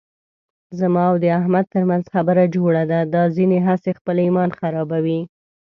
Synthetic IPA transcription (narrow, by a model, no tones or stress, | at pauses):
zamɑawd̪əaɦmad̪̚t̪əɾmanzxabəɾad͡ʒoɽad̪ad̪ɑzineɦasexpəlimɑnxaɾɑbawi